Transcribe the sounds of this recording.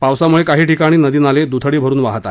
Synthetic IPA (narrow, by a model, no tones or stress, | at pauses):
pawsamuɭekaɦiːʈikaɽ̃iːnəd̪iːnaled̪ut̪ʰəɽiːbʱəɾuːnʋa̰ɦt̪a̰